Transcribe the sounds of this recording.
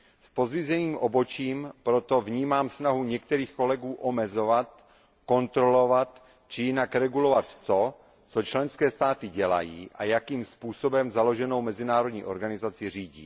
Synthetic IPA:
spo̞zvizɛniːmʔobot͡ʃiːmpɾot̪o̞vɲiːmaːmsnaɦuɲɛkt̪ɛɾiːxko̞lɛɡuːʔomɛzo̞vat̪̚ | ko̞nt̪ɾolo̞vat̪ | t͡ʃɪjɪnakɾɛɡulo̞vat̪ːo̞ | t͡sot͡ʃlɛnskɛːst̪aːt̪ɪɟɛla̰jḭːʔajakiːmspuːsobɛmzalo̞ʒɛno̞wmɛzɪnaːɾod̪ɲḭːʔo̞̰ɾɡanɪzat͡sɪr̝iːɟḭː

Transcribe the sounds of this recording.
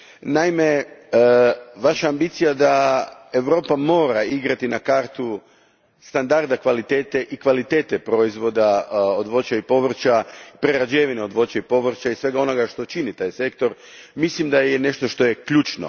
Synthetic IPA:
naime̞ | ʋaʃaːmbit̪sijad̪ae̞ʋɾo̞ːpamo̞ːɾaiɡɾat̪inakaɾt̪u | st̪and̪aɾd̪akʋalit̪eːt̪eʔikʋalit̪e̞ːt̪epɾo̞izʋo̞d̪aod̪ʋo̞t͡ɕaipo̞ʋr̩t͡ʃapɾeɾad͡ʒeʋineod̪ʋo̞t͡ɕaipo̞ʋr̩t͡ʃaisʋe̞ɡao̞no̞ɡaʃt̪o̞t͡ʃinit̪aːjse̞kt̪o̞ɾ | mislimd̪ajene̞ʃt̪o̞ʃt̪o̞jekʎuːt͡ʃno̰

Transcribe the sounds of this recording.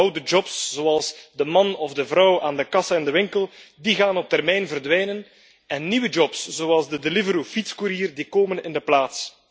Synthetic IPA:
wdəd͡ʒɔpsz̥oɑlˠzdəmɑnɔvdəvɾɔwaːndəkɑsəɪndəʋɪŋkəlˠdiɣaːnɔp̚tɛrmɛjnvərdʋɛjnən | ɛnːiwəd͡ʒɔpsz̥oːɑlˠzdədelɪvəɾufitskuɾiːərdikoːmənɪndəplaːts

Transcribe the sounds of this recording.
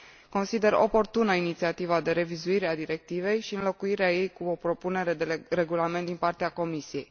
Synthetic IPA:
ko̞nsid̪e̞ɾo̞̰po̞rt̪unəinit̪siat̪ivad̪e̞ɾe̞vizuiɾead̪iɾe̞k̚t̪ive̞jʃiɨnlo̞kuiɾeaje̞jkuopɾo̞pune̞ɾe̞d̪eɾe̞ɡulame̞nt̪d̪inpart̪eako̞misije̞j

